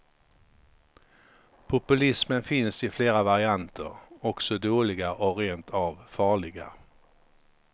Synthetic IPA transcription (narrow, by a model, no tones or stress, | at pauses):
pʰʊpɵlɪsmənfɪnsɪfleːɾavaɾɪant̪ʰə̰ɾɔksɔd̪oːlɪɡaʔɔɾeːnt̪ʰɑvfɑːɭɪɡa̰